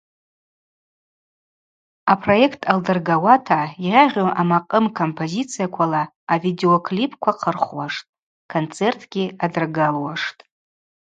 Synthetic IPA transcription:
apʰro̞e̞kʰtʰaldɨrɡawatʰairʲaʁʲoʔamaqʼəmkʰo̞mpʰo̞zit͡sʰijakʷʰalaː | vide̞o̞kʰlipʰkʷʰaqʰərχwaʂtʼ | kʰont͡sʰe̞rtʰɡʲiadɨrɡalwaʂtʼ

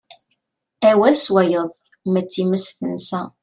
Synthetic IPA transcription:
æwælswæjəðˤ | mət͡sːiməsθənsæ

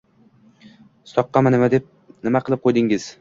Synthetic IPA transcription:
sɒqːɑmanɪmad̪ep̚ | nɪmaqʰɨlˠɪp̚qʰojd̪ɪŋɪz̥

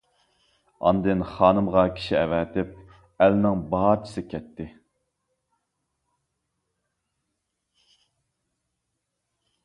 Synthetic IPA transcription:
ɑ̰nd̪ɨnχɑːnɨmʁɑkʲʰi̥ʃiɛvɛt̪ɪp̚ | ælnɪŋbɑɦɑɾt͡ʃʰi̥sɪkʲʰɛt̪ːɪ

